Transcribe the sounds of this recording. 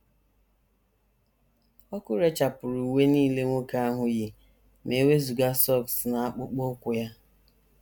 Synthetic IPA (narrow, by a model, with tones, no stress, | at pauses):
ɔ˦kʊ˦ɾe˦t͡ʃa˨pʊ˨ɾu˨we˦niː˦le˦ŋʷo˦ka˦a˦ɦʊ˦jɪ˨ | me˨˦we˦zu˨ɡa˦sɔ˦˨ksna˨a˦k͡pʊ˦k͡pʊ˦kʷʊ˨ja˦